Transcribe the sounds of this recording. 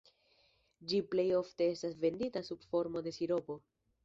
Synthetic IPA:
d͡ʒiple̞jo̞fte̞e̞stasve̞nditasubfo̞ɾmo̞de̞siɾo̞po̞

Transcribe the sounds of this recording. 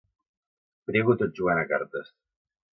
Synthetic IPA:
pɾiβut̪oʒuanaka̰ɾt̪əs

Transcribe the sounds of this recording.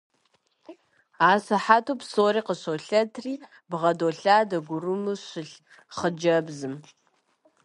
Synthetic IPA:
aːsɐħatʰopsoːriːqəɕoɬɐtʰriː | bʁɐdoɬaːdɐɡʷʊrumɨɕɪɬ | χəd͡ʒɐbzɨm

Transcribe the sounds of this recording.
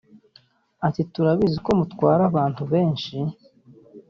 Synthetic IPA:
atituɾaβiziko̞mutwaːɾaβaːntuβe̞ːnʃi

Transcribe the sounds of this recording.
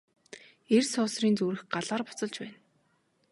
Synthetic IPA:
ersʊːsriːnt͡suːɾɘ̆xɢaɮaːrpʊ̥t͡sɞ̆ɮt͡ɕpæːn

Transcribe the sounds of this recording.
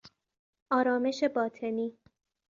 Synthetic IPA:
ʔɒːɾɒːme̞ʃe̞bɒːt̪ʰe̞niː

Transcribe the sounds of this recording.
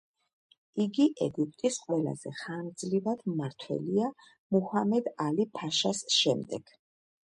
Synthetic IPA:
iɡiʔɛɡupʼt̪ʼisqʼwɛla̰zɛχand̪zlivad̪̥maɾt̪ʰwɛ̰lia | muhamɛd̪alipʰaʃasʃɛmd̪ɛɡ̥

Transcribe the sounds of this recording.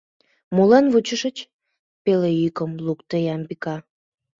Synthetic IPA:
mulɑnβut͡ɕəʃət͡ɕ | peleykəmlukt̪əjɑmbikɑ

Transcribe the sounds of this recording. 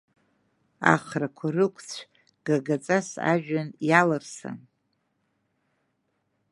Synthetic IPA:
a̰χrakʷʰarɨkʷʰt͡sʷʰ | ɡ̥aɡat͡sʼasa̰ʒᶣanjalarsa̰n

